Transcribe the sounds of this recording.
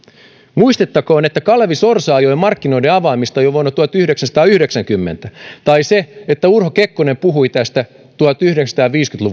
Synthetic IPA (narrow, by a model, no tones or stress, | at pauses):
muist̪et̪ːɑkoːnet̪ːækɑlʋisorsɑːjoimɑrkːino̞ideɑʋɑːmist̪ɑjoʋonːɑt̪uɑt̪yhɾeksænsɑ̥t̪ɑːyhɾeksæŋkymːent̪æt̪ɑiseet̪ːæurɦokekːonempuɦuit̪æst̪æ | t̪uɑt̪yhɾeksɑ̥t̪ɑːʋiːskynt̪luʋ